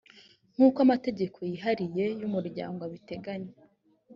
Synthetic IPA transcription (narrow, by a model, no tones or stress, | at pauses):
ŋ̥uːkwamate̞ɟe̞kʰo̞jiɦaɾije̞jumuɾɟa̰ːŋɡoaβite̞ɡaɲe